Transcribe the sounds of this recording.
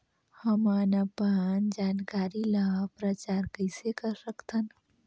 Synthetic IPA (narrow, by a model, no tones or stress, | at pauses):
həmanapaand͡ʒaːnkaːɾiləɦpɾət͡ʃaɾkəɪsekəɾsəkt̪ʰən